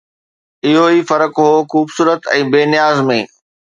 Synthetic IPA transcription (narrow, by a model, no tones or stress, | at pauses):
ɪɦoiːfɐɾəkɦoːxuːbsuːɾət̪ɛ̰̃ːbeːnɪjaːzmẽ